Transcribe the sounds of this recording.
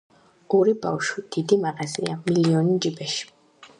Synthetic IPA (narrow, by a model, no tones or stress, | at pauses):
ɔɾiba̰wʃwid̪̥id̪imaɣazḭamiliɔnid͡ʒibɛʃ